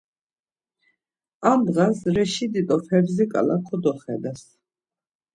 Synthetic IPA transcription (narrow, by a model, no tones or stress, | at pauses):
amd̪ʁasɾɛʃid̪it̪ʼɔpʰɛbzikʼa̰lakʰɔd̪ɔχɛd̪ɛs